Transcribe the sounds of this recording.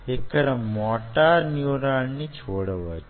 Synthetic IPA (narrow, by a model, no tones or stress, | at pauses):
ekːəɾəmmɔʈanjuɾaɭnit͡ʃʰoɽəʋə